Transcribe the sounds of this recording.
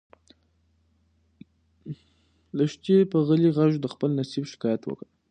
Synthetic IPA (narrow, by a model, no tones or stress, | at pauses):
ləʃt̪epəɣəliɣaʒd̪əxpəlnasibʃɪ̥kɑjat̪wə̰kə